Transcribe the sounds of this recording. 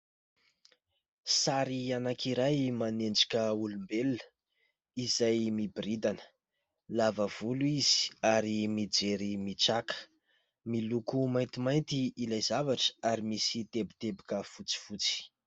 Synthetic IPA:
saɾianakiɾajmanend͡ʒi̥kʲəulumbeluə | izajmibirid̪anə̥ | lavəv̥uluiz̥i̥aɾimid͡zeɾimit͡sakə̥ | milukumajnt̪imajnt̪iːlajzavaʈ͡ʂə̥aɾimisit̪ebit̪ebikəfut͡si̥fut͡si̥

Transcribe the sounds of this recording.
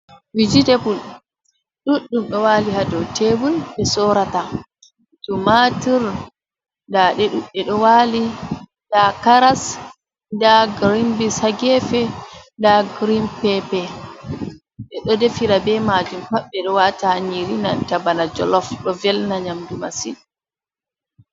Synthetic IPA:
wid͡ʒidepul | ɗuɗːumɗɔwaːlihadɔwtebunɓɛsɔɾata | tumatiɾ | ndaɗɛɗuɗːɛɗɔwaːli | dakaɾas | ndaɡɾimbishaɡɛfɛndaɡɾimpɛpɛ | ɗɛɗɔdefiɾabɛmad͡ʒumpaɓːɛɗɔwataɲiɾina̰ntabanad͡ʒɔ̰lɔfɗɔvɛlnaɲamdumasḭn

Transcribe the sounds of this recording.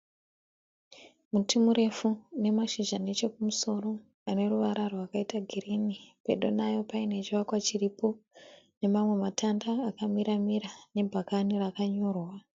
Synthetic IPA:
mutimuɾe̞fune̞maʃiʒane̞t͡ʃe̞kumuso̞ro̞ | ane̞ruʋaɾarowakaitaɡʱirinipe̞̰ɗo̞najo̞paine̞t͡ʃiwakwat͡ʃiripo̞ne̞mamwe̞matandaːkamiɾamiɾane̞bʱakanirakaɲo̞ːrwa

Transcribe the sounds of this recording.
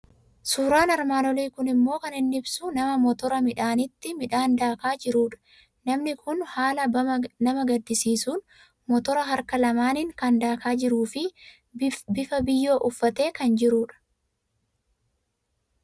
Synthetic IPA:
suːɾaːnɐɾmaːnɔliːkʊnɪmːo̞ːkɐnɪnːɪbsʊnɐmɐmɔt̪ɔɾɐmɪᶑaːnɪt̪ːɪmɪᶑaːnd̪aːkaːd͡ʒɪɾuːᶑɐ̥ | nɐmnɪkʰʊnhaːlɐnɐmɐɡɐd̪ːɪsiːsuːn | mɔt̪ɔɾɐɦɐɾkɐlɐmaːnɪŋkɐnd̪aːkaːd͡ʒɪɾuːfɪ | bɪfɐbɪjːo̞ːʔʊfːɐt̪e̞ːkɐnd͡ʒɪɾuːᶑɐ̥

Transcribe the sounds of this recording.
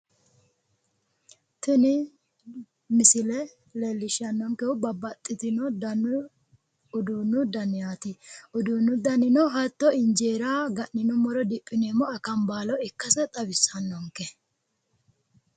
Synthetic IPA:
t̪ʊnɪ | mɪsɪlɛ | leːlːɪʃɐnːɔŋkɛʊbɐbːɐt̪ʼːɪt̪ɪnɔdn | ʊd̪uːnːʊd̪ɐnːɪjaːt̪ɪʊd̪uːnːʊd̪ɐnːɪnɔɦɐt̪ːɔɪnd͡ʒeːɾaːɡɐʔːɪnɔmɔɾɔd̪ɪpʼːɪneːmɔɐkɐmbaːlɔɪkːɐsɛt̪ʼɐbɪsːɐnːɔŋkɛ

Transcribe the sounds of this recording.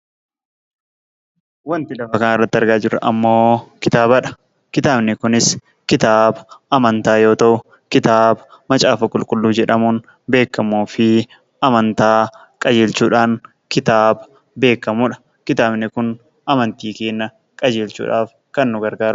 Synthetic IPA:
wɐnt̪ɪlɐfɐkɐnaɪrːɐt̪ːɪɐɾɡaːd͡ʒɪrɐ̰ʔɐmːo̞ːkɪt̪aːbɐᶑɐ̥ | kɪt̪aːbnɪkʊnɪs | kɪt̪aːbɐɐmɐnt̪aːjo̞ːt̪ɐʔʊ | kɪt̪aːbɐmɐt͡ʃʼaːfɐkʼʊlkʼʊlːuːd͡ʒɛᶑɐmuːn | be̞ːkːɐmuːfɪ | ɐmɐnt̪aː | kʼɐd͡ʒeːlt͡ʃuːᶑaːn | kɪt̪aːbɐ | be̞ːkːɐmuːᶑɐ̥ | kɪt̪aːbnɪkʊn | ɐmɐnt̪iːkeːnːɐ | kʼɐd͡ʒeːlt͡ʃṵːᶑaːf | kɐnːʊɡɐɾɡaːɾ

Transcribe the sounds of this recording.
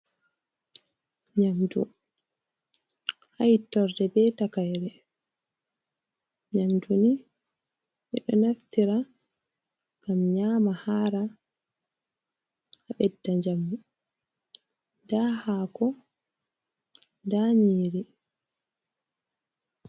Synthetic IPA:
ɲamdṵ | hajitːɔɾdɛbɛtakajɾɛ | ɲamduni | miɗɔnaftiɾa | ɡ̥amɲaːmahaːɾa | aɓɛdːaɲd͡ʒamːu | daːhaːkɔ | ndaɲiːɾi

